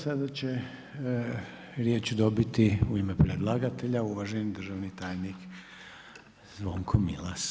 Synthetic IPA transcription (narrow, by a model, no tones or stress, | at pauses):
sad̪at͡ɕe | ɾjeːt͡ɕud̪o̞bit̪iuimepɾed̪lˠaɡat̪e̞ʎauʋaʒenid̪r̩ʒaʋnit̪aːjnik | zʋoŋkʰomḭlˠas